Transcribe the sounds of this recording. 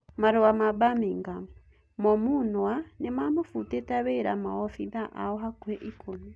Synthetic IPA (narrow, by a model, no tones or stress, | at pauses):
maɾowamabamiŋɡam | mɔmunwwanemamofutetaβeɾamaɔfiðaʔa̰ɔɦakwɛʔikʰomi